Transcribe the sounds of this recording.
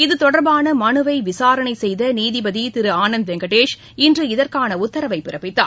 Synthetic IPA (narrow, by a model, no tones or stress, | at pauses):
ɪðɯt̪ɔɽɐɾbaːnɐmɐnɯʋɐɪʋɪsaːɾɐɳɐɪsɛjðɐniːðɪbɐðit̪ɪɾɯaːnɐnd̪ʋɛŋɡɐʈeːʂ | ɪndrɯɪðɐɾkaːnɐʊt̪ːɐɾɐʋɐɪpːɪɾɐpːɪt̪ːa̰ː